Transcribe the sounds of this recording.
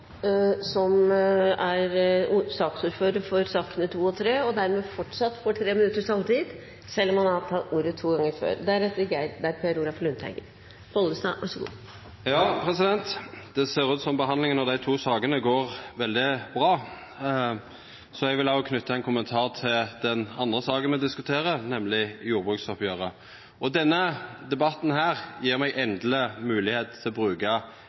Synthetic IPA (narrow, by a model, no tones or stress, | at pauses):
sɔmæɾsɑːksuːɾføːɾəɾfɔɾsɑːkənət̪ʰuːɔt̪ʰɾeːɔd̪æɾmeːfɔʈʂɑt̪ːfɔʈʰɾeːmɪnʉt̪əʂɑlt̪iːd̪ | sɛlːɔmhɑnɑt̪ʰɑt̪uːɾət̪ʰːuːɡɑŋːəɾfø̰ːɾd̪æɾɛt̪ːəɡæɪd̪d̪æɾpʰɛːɾuɡɾɑflʉnt̪ʰæ̰ɡəɾ | hɔlːəsnɑ̰ʋɑʂɔɡṵː | jɑːpʰʁɛsɪd̪ɛnt̪d̪̥ɛseːʁʉːt̪sɔmbəɦɑnlɪŋənɔd̪æɪt̪ʰuːsɑːɡənəɡoːʁʋɛld̪ɪbʁɑː | sɔɛɡʋɪlɑːɔkʰnʉt̪ːəɛnkʰʊmənt̪ʰɑːʁt̪ʰɪld̪ɛnɑnd̪ʁəsɑːɡənmɛd̪ɪskʉt̪ʰeːɾənɛmlɪjuːɾbʁʉːktsɔpjøːʁə | ɔd̪ɛnːəd̪ɛbɑt̪ːn̩ɦæːʁjiːʁmɛɡʔɛnd̪ləmʉːlɪheːt̪ʰɪlɔbʁʉːkɑ